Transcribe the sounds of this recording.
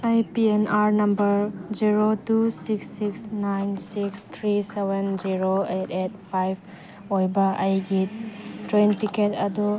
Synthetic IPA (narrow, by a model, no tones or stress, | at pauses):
ajpienaɾnɐmbɐɾd͡ʒiɾotusiksːiksnajnsikstʰɾisebend͡ʒiɾoetet̚pʰajbʱ | ojbɐʔɐjɡitɾejntiketɐdu